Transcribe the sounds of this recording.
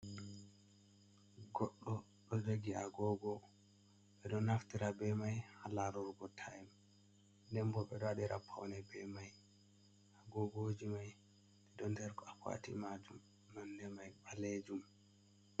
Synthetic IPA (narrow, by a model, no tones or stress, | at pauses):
ɡɔɗːɔ | ɗɔd͡ʒoɡiaɡɔɡɔ | ɓɛɗɔnaftiɾabɛmajhalaɾuɾɡɔtʰajm | dɛmbɔɓɛɗɔaɗiɾapʰːa̰wnɛbɛmaj | aɡɔɡod͡ʒimaj | dɛɗɔndɛɾkɔakwa̰tḭmad͡ʒumː | andɛmajɓaled͡ʒum